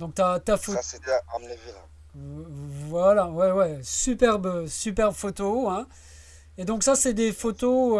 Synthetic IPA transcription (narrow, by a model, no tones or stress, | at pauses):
d̪ɔ̃k̚t̪yat̪afoeeamevi | vwalawɛwɛsypɛʁbsypɛʁbfot̪oɛ̃ | ed̪ɔ̃ksasɛd̪efot̪o